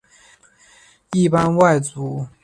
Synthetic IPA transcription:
i˥˩pa˥nwa˥˩ɪt͡su˨˧˥

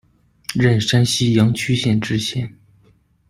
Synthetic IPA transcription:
ɻa˥˩nʂa˥nɕi˥jɑ˧˥ŋt͡ɕʰy˥ɕjɛ˥˩nʈ͡ʂɻ̩˥t͡ɕʰjɛ˧˥n

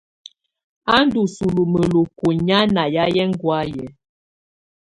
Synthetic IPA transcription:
a˦n˦du˨su˨lu˨mə˨lu˨ku˨ɲa˦na˨ja˦jɛ˦ŋ˦ɡwa˦jɛ˨˦

